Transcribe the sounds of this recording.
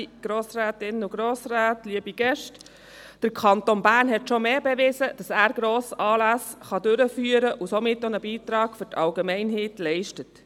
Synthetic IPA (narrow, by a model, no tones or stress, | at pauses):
ɡ̥ɾoːsræːtɪnʊɡɾoːsræːtliəbiɡ̥ɛʃt | d̥əɾkʰɑntonbæːrnɦɛtʃɔmeːbɛʋɪzəd̥ɑsæːɾɡ̥ɾoːsɑːlæsχɑdøɾəfyːəɾəʔusomɪtːonəbiːt̪ɾɑːɡ̥fʏɾtʰɑlɡɛmɛɪnɦɛːtlɛɪʃtət